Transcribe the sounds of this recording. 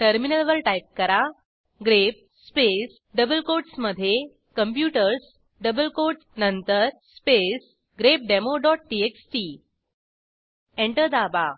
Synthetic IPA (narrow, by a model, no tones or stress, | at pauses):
ʈəɾminəlʋəlʈajp̚kəɾa | ɡɾep̚ | spes | ɖəbəlkoɾɖsməd̪ʱje | kəmpjuʈəɾs | ɖəbəlkoɾʈ | nənt̪əɾspes | ɡɾep̚ɖemoɖɔʈ̚ʈieksʈi | ẽɳʈəɾd̪aba